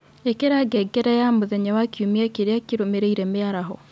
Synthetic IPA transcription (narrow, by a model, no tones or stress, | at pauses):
ekeɾaɡɛɡɛɾɛjamoðɛɲawakjumeakeɾeakeɾomeɾeiɾɛmeaɾaɦɔ